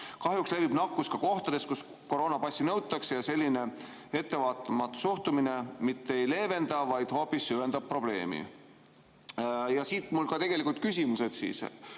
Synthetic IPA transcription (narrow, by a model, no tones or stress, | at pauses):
kɑɦjuksle̞pib̥nɑkːˑuskɑko̞ht̪ɑd̪̥e̞skus | ko̞ɾo̞ːnɑpɑsʲːinɤwt̪ːˑɑksejɑse̞lʲːine̞ | e̞t̪ːe̞vɑːt̪ːˑɑmɑt̪ːu̥suht̪umine̞mit̪ːeejle̞ːve̞nd̪ɑvɑjd̪̥hoːpːˑisːyend̪̥ɑb̚pro̞b̥le̞̰ːmḭ | jɑsiːt̪ˑmulkɑt̪e̞ɡ̥e̞likˑult̪̚kysʲimuse̞d̪̥sḭːs